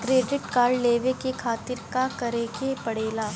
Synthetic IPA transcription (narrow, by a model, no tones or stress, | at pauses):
kɾeːɖɪʈkaːɾɖleːʋekekʰaːt̪ɪɾkakɐɾeːkepɐɽeːlaː